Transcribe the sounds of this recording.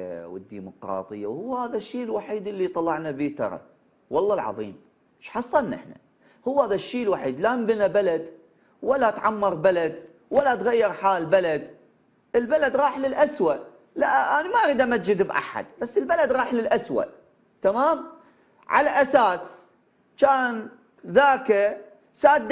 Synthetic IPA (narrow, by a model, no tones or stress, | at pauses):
wə̰d̪ːiːmʊqɾɑ̰ːt̪ˤɨjːa̰whʊwːhaːðaʃːiːlwaħiːd̪ɪlːit̪ˤɑlːɑʕnabiːt̪ɑ̰ɾˤɑ̰ | wɑlˤːɑlʕɑ̰ðˤiːm | ʃħɑsˤːɑnːɪ̰ħna̰ | hʊwːhaːðaʃːiːlwaħiːd̪lambɪnabalad̪ | walːat̪ʕamːɑɾˤbalad̪ | walːat̪ɣajːɪɾħaːlbalad̪ | ʔəlbalad̪ɾɑːħlɪlʔaswaʔ | laʔʔanimaʔɾiːd̪ʔamat̪̚d͡ʒɪd̪bʔa̰ħa̰d̪basːɪlbalad̪ɾɑːħlɪlʔaswa̰ʔ | t̪amaːm | ʕa̰laʔasaːs | t͡ʃaːn | ðaːka | saːd̪